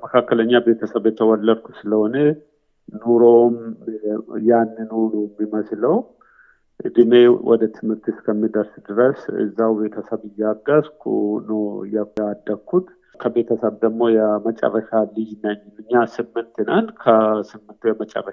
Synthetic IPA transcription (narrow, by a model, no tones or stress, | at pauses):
məkʰakːələɲːabe̞t̪ʰəsəβjɛt̪ʰəwɔlːəd̪kʰu̥sɨləhonə | nuɾo̞m | janːɨnoɾujɛmːiməsləw | ʔɨd̪ɨme̞wʔɔ̰d̪ət̪ʰɨmɨɾt̪ɨskʰəmːid̪əɾsd̪ɨɾəsɨ̰zːawbe̞t̪ʰəsəβɨjːaɡaskʰṵnəjaad̪ːəkʰːut̪ | kʰəbe̞t̪ʰəsəβd̪əːo̞jɛmət͡ʃʼə̰rːəʃalɨjnəɲːnɨɲːasɨmːɨnt̪ɨnankʰəsɨmːɨnt̪ujɛmət͡ʃʼə̰rːəʃa